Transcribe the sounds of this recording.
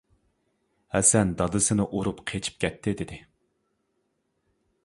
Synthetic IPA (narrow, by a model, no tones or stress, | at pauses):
hɛsɛnd̪ɑd̪ɨsɨnɨʔoɾupqʰet͡ʃʰi̥p̚kʲʰɛt̪ʰːɪd̪ɪd̪ɪ